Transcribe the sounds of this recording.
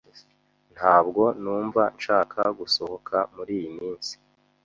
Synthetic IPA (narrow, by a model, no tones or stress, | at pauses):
n̥haːbɡo̞nuːɱvanʃaːkʰaɡuso̞hokʰamuɾiːjimiːnsi̥